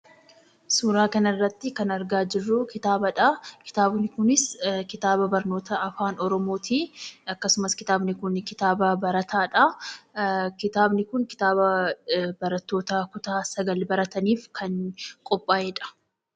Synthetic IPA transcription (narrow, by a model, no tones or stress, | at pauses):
suːɾaːkɐnɐrːɐt̪ːɪkɐnɐɾɡaːd͡ʒɪrːʊkɪt̪aːbɐᶑɐkɪ̥t̪aːbnɪkʊnɪskɪt̪aːbɐbɐɾno̞ːt̪ɐɐfaːnɔɾɔmo̞ːt̪ʰiːɐkːɐsʊmɐskɪt̪aːbnɪkʊnkɪt̪aːbɐbɐɾɐt̪ʰaːᶑɐ | kɪt̪aːbnɪkʊŋkɪ̥t̪aːbɐbɐɾɐt̪ːo̞ːt̪ɐkʊt̪aːsɐɡɐlbɐɾɐt̪ɐniːfkʰɐŋkʼɔpʼːaːɛᶑɐ̥